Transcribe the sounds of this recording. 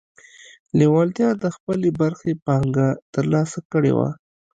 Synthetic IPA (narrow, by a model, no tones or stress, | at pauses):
lewɑlt̪jɑd̪əxpəlebaɾxepahaŋɡat̪əɾlɑsakəɽḛwa̰